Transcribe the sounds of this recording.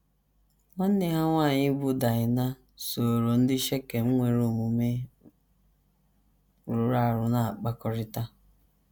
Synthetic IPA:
ŋʷa˦n̩˦nɪ˨ɦa˦ŋʷaː˦˨ɲɪ˦bʊ˦da˨ɲɪ˨na˦ | so˨ɾo˨n̩˦dɪ˦ʃe˦ke˨ŋ͡m̩˦ŋʷe˨ɾo˦˨mu˨me˦ | ɾʊ˨ɾa˦˨ɾʊ˨na˨a˨k͡pa˦kɔ˦ɾɪ˦ta˦

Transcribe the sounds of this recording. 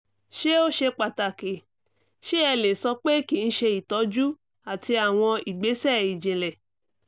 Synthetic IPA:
ʃe˦o˦ʃe˧k͡pa˨ta˨ke˨ | ʃe˦ɛ˧le˨sɔ˧k͡pe˦ki˨n̩˦ʃe˧i˨tɔ˨˦d͡ʒu˦ | a˨ti˧a˨w̃ɔ̃˧i˨ɡ͡be˨˦sɛ˦˨i˨d͡ʒe˨lɛ˨

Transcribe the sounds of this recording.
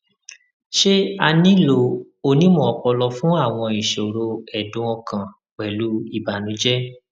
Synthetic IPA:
ʃe˦a˧nĩ˦lo˧ | o˧nĩ˦mɔ̃˦˨ɔ˨k͡pɔ˧lɔ˧fũ˦a˦˨w̃ɔ̃˧i˨ʃo˨ɾo˧ɛ˨dũ˨˦ɔ̃˧kã˨ | k͡pɛ˨lu˨˦i˦˨ba˨nũ˨˦d͡ʒɛ˦

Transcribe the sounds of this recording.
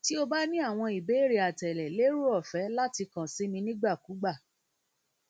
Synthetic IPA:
ti˦o˧ba˦nĩ˦a˦˨w̃ɔ̃˧i˨be˨˦˨ɾi˨a˨tɛ˨lɛ˨le˦ɾu˦ɔ˦˨fɛ˨˦la˦ti˧kã˨si˨˦mĩ˧nĩ˦ɡ͡ba˦˨ku˨˦ɡ͡ba˦˨

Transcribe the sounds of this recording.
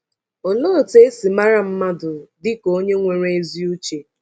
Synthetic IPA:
o˨lo˦ɾʊ˨te˦e˦si˨ma˦ɾa˦m̩˦ma˦dʊ˨dɪ˦ko˨˦o˦ɲe˦ŋʷe˨ɾe˦zi˦u˦t͡ʃe˨

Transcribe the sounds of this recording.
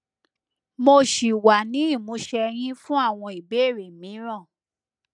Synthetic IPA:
mo˧ʃi˨wa˨nĩ˨˦i˦˨mũ˨˦ʃɛ˧j̃ĩ˦fũ˦a˦˨w̃ɔ̃˧i˨be˨˦˨ɾe˨mĩ˨˦ɾ̃ã˦˨

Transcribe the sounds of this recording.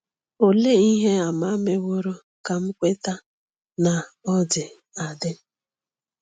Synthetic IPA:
o˨le˦i˦ɦe˦a˨ma˦me˦wo˦ɾo˦ | ka˨m̩˦kʷe˦ta˦ | na˨ɔ˦dɪ˨ | a˨dɪ˦

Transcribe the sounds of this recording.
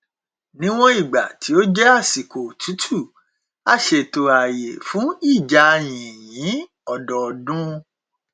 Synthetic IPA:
nĩ˦w̃ɔ̃˦i˦˨ɡ͡ba˨tʰi˨˦o˦d͡ʒɛ˦a˦˨si˨ko˨tʰu˨˦tʰu˦˨ | a˦˨ʃe˧˨to˧a˨je˨fũ˨˦i˦˨d͡ʒa˨˧j̃ĩ˨jĩ˨˦ | ɔ˦˨dɔ˨dũ˦

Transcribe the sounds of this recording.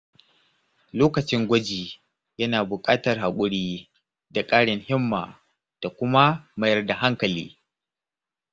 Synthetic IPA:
loː˦kɐ˨t͡ʃɪ˦ŋɡʷɐ˦d͡ʒiː˨ | jɐ˦naː˨bʊ˨kʼaː˦tɐ˨rɦa˨kʷʼʊ˦ɽiː˦ | da˨kʼaː˦ɽɪ˨ŋhɪ˦mːa̰ː˨ | d̥a˨kʷʊ˦ma˦mɐ˦jɐ˦rda˨ɦa˦ŋkɐ˨lḭː˦

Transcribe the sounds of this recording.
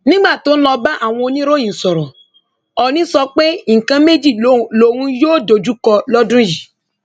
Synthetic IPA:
nĩ˦ɡ͡ba˦˨to˨˦n̩˦lɔ˧ba˦ʔa˦˨w̃ɔ̃˧o˧nĩ˦ɾo˦jĩ˨sɔ˨ɾɔ˨ | ɔ˨nĩ˦sɔ˧k͡pe˦˨kã˧me˦d͡ʒi˦˨lo˦˨wũ˦joː˦˨do˨d͡ʒu˦kɔ˧lɔ˦dũ˦ji˨

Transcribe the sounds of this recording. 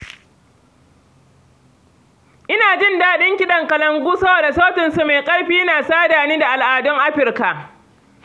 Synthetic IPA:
ʔɪ˦naː˨d͡ʒɪ˦˨ndaː˦ɗɪ˦ŋkʲɪ˦ɗɐ˨ŋkɐ˨lɐ˨ŋɡʷuː˦sɐ˦boː˨da˨soː˦tɪ˨nsu˨me˨jkʼɐ˦jɸiː˦jnaː˨saː˦daː˨niː˦da˨ʔa˨lʔaː˨dʊ˦ŋʔa˦ɸɪ˨rka˨ʔ

